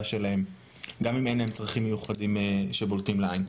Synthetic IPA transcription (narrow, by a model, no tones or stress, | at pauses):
ʃe̞lahe̞m | ɡamimenemt͡sʁaχimːejuχadimeʃe̞boltimleajn